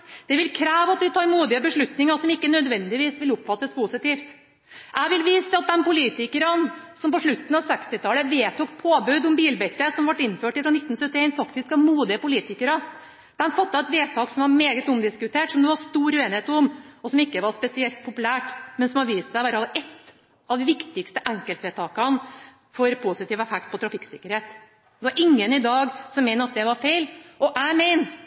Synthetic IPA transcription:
d̪̥ɛʋɪlkʰɾæːʋɑt̪ʋɪt̪ʰɑːɾmuːd̪ɪəbəʂɭʉt̪nɪŋəsɔmɪkːənœd̪ʋɛnd̪ɪʋiːsʋɪləʊpːfɑt̪ːəspʰʊsɪt̪iːft̪ | ʔæɪʋɪlʋiːsəɑt̪̚d̪ɛmpʊliːt̪ɪkəɾən | sɔmpɔʂɭʉt̪ːən̩ɑʋsɛkst̪ɪt̪ʰɑːləʋeːt̪ʰuːk̚pʰoːbʉd̪ɔmbiːlbɛt̪ɾəsɔmʋɑʈːɪnːføːʈɪfɾɑnɪt̪ːn̩sœt̪ːɪeɪnfɑkt̪ɪskɑmuːd̪ɪəpʊliːt̪ɪkəɾə | d̪̥ɛmfɑt̪ːɑɛt̪ʋeːt̪ʰɑːksɔmʋɑɾmeːɡət̪ʊmd̪ɪskʉt̪ʰeːʈsɔmd̪ɛʋɑɾst̪uːɾeːnɪheːt̪ʊmɔsɔmɪkːəʋɑɾspɛsɪɛlt̪̚pʰʊpʉlæːʈmɛnsɔmɑɾʋiːst̪sæɪʋæɾfɑlɛt̪ː | ɑʋd̪ɪʋɪkt̪ɪkst̪əʔɛŋkəlt̪ʋeːt̪ʰɑːkɑn | fɔɾpʰʊsɪt̪iːʋɛfɛk̚t̪̚pʰɔt̪ʰɾɑfɪkːsɪkːəɾheːt̪ | d̪ɛʋɑɾʔɪŋːənɪd̪ɑːɡsɔmːɛɪnəɾɑt̪̚d̪ɛʋɑɾfeɪlɔʔæɪmeɪn

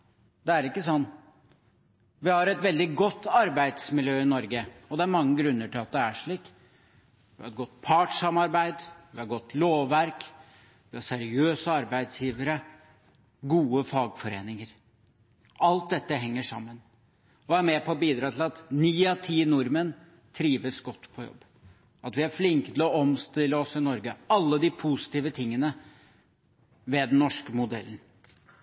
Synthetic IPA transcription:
d̪ɛæɾɪkːəsɔnː | ʋɪhɑɾɛt̪ʋɛld̪ɪɡɔt̪ːɑɾbæɪd̪smɪljøːɪnɔɾɡəɔd̪ɛæɾmɑŋːəɡɾʉnːəʈɪlɑt̪̚d̪ɛæʂɭiːk | ʋɪhɑ̰ɾɛt̪̚ɡɔt̪ːpʰɑʈʂɑmɑɾbæɪd̪ʋɪhɑɾɡɔt̪ːloːʋːæɾk | ʋɪhɑsæɾɪøːsəɑɾbæɪd̪sjiːʋəɾə | ɡuːəfɑːɡfɔɾeːnɪŋəɾ | ʔɑlt̪̚d̪ɛt̪ːəɦɛŋːəʂɑ̰mːən | ɔæɾmɛpʰɔːbiːd̪ɾɑːt̪ʰɪlɑt̪niːɑt̪ʰiːnʊɾmən | t̪ʰɾiːʋəsɡɔt̪ːpʰɔjɔ̰bː | ɑt̪ʋɪæɾflɪŋkət̪ʰɪlɔɔmst̪ɪlːəɔsɪnɔɾɡəɑlːəd̪ɪpʰusɪ̥t̪iːʋət̪ʰɪŋːənə | ʋeːd̪ɛnnːɔʂkəmʊd̪ɛlːən

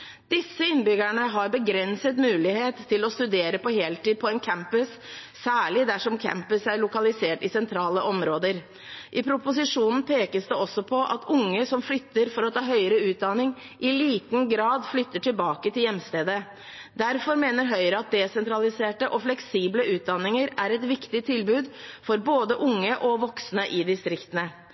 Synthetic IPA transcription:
d̪̥ɪsːəɪnbʏɡæɳəɦɑɾbəɡɾɛnsət̪mʉːlɪheːt̪ʰːɪlɔst̪ʉd̪eːɾəpɔɦeːlt̪iːd̪̚pʰɔɛnkʰæmpəs | sæːɭɪd̪æʂɔmkʰæ̰mpəsæɾɭʊkɑlɪseːʈɪsɛnt̪ʰɾɑːləʔɔmɾoːd̪əɾ | ʔɪpʰɾʊpʊs̬ɪʂuːnn̩pʰeːkəsd̪ɛɔsːɔpʰɔʔɑ̰t̪ʊŋːəsɔmflʏt̪ːəɾfɔɾɔt̪ʰɑːɦœʏɾəʉːt̪̚d̪ɑnɪŋ | ʔɪliːt̪nɡɾɑːd̪flʏt̪ːəʈʰɪlbɑːkət̪ʰɪljɛmːst̪eːd̪ə | d̪æɾfɔɾmeːnəɾɦœʏɾəɑt̪̚d̪ɛsɛnt̪ʰɾɑlɪseːʈəʔɔflɛksiːbləʔʉːt̪̚d̪ɑnɪŋəɾæɾɛt̪ʋɪkt̪ɪt̪ʰɪlbʉːd̪fɔɾboːd̪əʔʊŋːəʔɔʋɔksnəʔɪd̪ɪst̪ɾɪkt̪ənə

